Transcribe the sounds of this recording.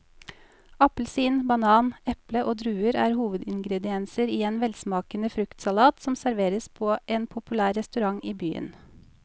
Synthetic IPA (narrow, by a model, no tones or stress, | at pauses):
ɑpl̩siːnbɑnɑːnɛpləʔoːd̪ɾʉːəɾæ̰ːɾhuːʋəd̪ɪŋɡɾɛd̪ɪɛnsəɾiːeːnʋɛlsmɑːkənəfɾʉkt̪sɑlɑːt̪sɔmsæɾʋeːɾəspʰoːʔeːnpʰʊpʉlæːɾːɛst̪ʉɾɑŋiːbyːə̰n